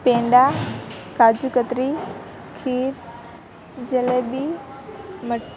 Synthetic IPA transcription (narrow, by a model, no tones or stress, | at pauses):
pẽːɳɖakaːd͡ʑukət̪ɾi | kʰiːɾ | d͡ʑeleːbi | mɐ